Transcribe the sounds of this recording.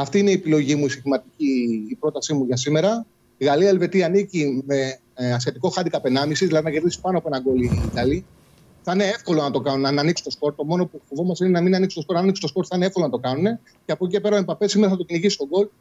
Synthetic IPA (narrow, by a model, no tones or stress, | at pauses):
ɐft̪iine̞iepilo̞ʝimuisist̪imɐt̪iciːpɾo̞t̪ɐsimuʝɐsime̞ɾɐ | iɣɐliɐelve̞t̪iɐːnicime̞ | ɐsçet̪iko̞xɐd̪ikɐpe̞nɐmisizðilɐðinɐce̞ɾðisi̥pɐno̞ɐpoe̞nɐŋɡo̞liːt̪ɐli | θɐineefko̞lo̞nɐt̪o̞kɐnunɐnɐniksu̥t̪o̞spo̞ɾt̪t̪ːo̞mo̞no̞pufo̞vo̞mɐsinenɐminɐniksu̥t̪opoɾnɐniksi̥st̪o̞spo̞ɾt̪θɐɐneefko̞lonɐt̪o̞kɐnune̞ | ceɐpocicepe̞ɾɐipɐpe̞simeɾɐθɐt̪o̞ciniʝisi̥t̪oɡo̞l